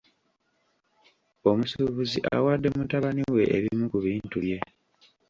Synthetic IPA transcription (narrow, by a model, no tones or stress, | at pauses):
o̞musuːβuziʔa̰waːdːe̞mutaβaniwe̞ʔeβimukuβiːntuje̞